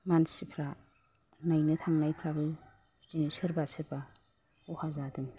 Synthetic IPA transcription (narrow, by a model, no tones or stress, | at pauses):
mansipʰɾa | najnɯtʰaŋnajpʰɾabɯ | zinsɯɾbasɯɾba | uhazadɯm